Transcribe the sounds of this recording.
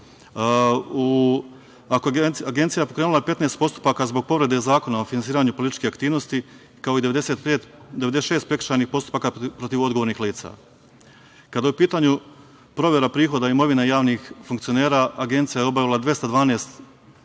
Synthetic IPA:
u | akoaɡent̪sijaepo̞kɾeːnulˠaepe̞t̪nest̪po̞st̪u̥pakazbo̞ɡ̚po̞ʋɾe̞d̪e̞zaːko̞naofinansiːɾaɲupolit̪i̥t͡ʃkeakt̪iːʋno̞st̪i | kao̞id̪e̞ʋed̪eset̪peːt̪d̪eʋed̪eʃe̞ːst̪pɾe̞ki̥ʃt͡ʃaɾnixpo̞st̪u̥paːkapɾo̞t̪iʋo̞d̪ɡoʋoɾnixliːt̪sa̰ | kad̪ajupiːt̪aɲu | pɾo̞ʋje̞ɾapɾiːxo̞d̪aimo̞ʋinajaːʋnixfuŋkt̪sijo̞neːɾaʔaɡe̞nt̪sijajeo̞baʋilˠad̪ʋje̞st̪ad̪ʋaːneːst̪

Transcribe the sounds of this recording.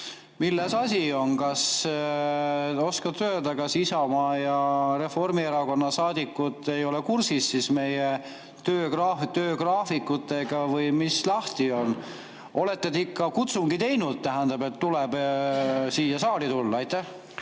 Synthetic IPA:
milːesɑsʲio̞nkɑs | o̞skɑt̪ø̞ːd̪ɑkɑsisɑmɑːjɑɾe̞fo̞rmieɾɑko̞nːɑsɑːd̪̥ikːˑut̪ːˑe̞jo̞lekursisːisme̞je | t̪øːkrɑt̪øːkrɑːfikːˑut̪ːˑe̞ɡ̥ɑvɯjmislɑht̪io̞n | ʔo̞le̞t̪ːed̪eikˑːɑkut̪suŋɡ̥it̪e̞jnud̪̥̚t̪æɦænd̪̥ɑbe̞t̪ːulɛb̥ | siːjɑsɑːlit̪ulːɑɑjt̪ːˑæh

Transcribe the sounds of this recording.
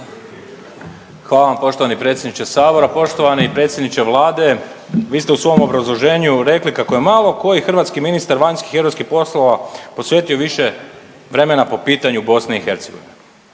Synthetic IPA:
xʋaːlaʋampo̞ʃt̪oanipɾet̪sʲjed̪nit͡ʃesaːbo̞ɾapo̞ʃt̪oʋaneipɾe̞ːt̪sjed̪nit͡ʃeʋlˠaːd̪e̞ | ʋiːst̪eusʋo̞omo̞bɾazlˠo̞ʒe̞ːɲuɾe̞klikako̞jemalˠo̞ko̞jixr̩ʋaːt̪skiminist̪aɾʋaɲski̥xeɾoskixpo̞slˠoʋapo̞sʋjeːt̪io̞ʋiʃe | ʋɾe̞menapo̞piːt̪aɲubo̞sneixe̞ɾt̪seɡo̞ʋine

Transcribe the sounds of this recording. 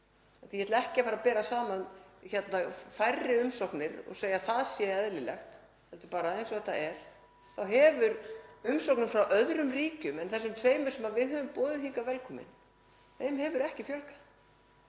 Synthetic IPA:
aθijɛt̪laɛhcɪafaːɾapɛːɾasaːmaʏnçɛt̪nafajrːɪʏmsowknɪɾɔ̰ɣseːjaθaðsjɛɛðlɪlɛ̰xt̪ | hɛlt̪ʏɾpaːɾaejnsvɔðɛt̪ːa̰ɛɾ̥ | θawɦɛvʏɾʏmsowknʏmfɾawʔœðɾʏmriːcʏmɛnθɛsːʏmt̪ʰveːjmʏ̥sɛmavɪðɦœːvʏmpɔːðɪðiŋkavɛlkʰɔːmɪ̰n | θeːjmhɛvʏɾɛhcɪfjœlkḁ

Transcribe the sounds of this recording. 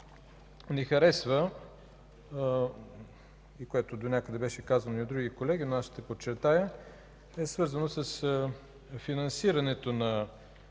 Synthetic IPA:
nɛxɐɾɛsvə | ikoɛt̪od̪onʲakəd̪ɛbɛʃɛkazənoiod̪ɾuɡikolɛɡ̟inoaʃt̪ɛpot͡ʃːɛɾt̪ajə | ɛsvɤɾzənosəs | finɐnsiɾɐnɛt̪onɐ

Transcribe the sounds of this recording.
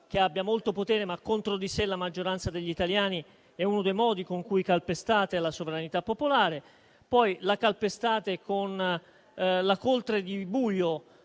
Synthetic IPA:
k̟eabːjamolt̪opot̪ɛːɾemakːont̪ɾod̪iselamad͡ʒːoɾant̪sad̪eʎːit̪aljaːni | ɛunod̪ejmɔːd̪ikoŋkujkalpest̪aːt̪ealasoveɾanit̪apːopolaːɾe | pɔjlakalpest̪aːt̪ekʰon | lakolt̪ɾed̪ibuːʎːo

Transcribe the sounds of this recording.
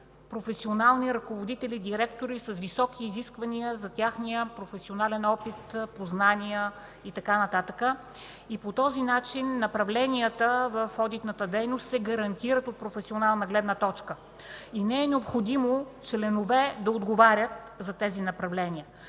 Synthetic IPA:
pɾofɛsionalˠniɾɐkovod̪it̪ɛlid̪iɾɛkt̪oɾisɐsvisɔkʰiːziskvɐniəzɐt̪ʲaxniəpɾofɛsionalɛnɔpit̪poznanijə | it̪ɐkanɐt̪at̪əkə | ipot̪ɔzinat͡ʃinːɐpɾɐvlɛnijət̪əvəfɔd̪it̪nət̪əd̪ɛjnost̪sɛɡɐɾɐnt̪iɾət̪ot̪̚pɾofɛsionalˠnəɡlɛd̪nət̪ɔt͡ʃkə | inɛɛnɛopxod̪imot͡ʃlɛnovɛd̪ɐod̪ɡovaɾʲət̪̚ | zɐt̪ɛzinɐpɾɐvlɛnʲiə

